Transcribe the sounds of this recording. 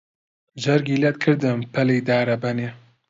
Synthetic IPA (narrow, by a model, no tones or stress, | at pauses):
ʒɐɾɡilɛt̪̚kʰɨɾd̪ɨmpʰɛlejd̪aːɾɐbɐne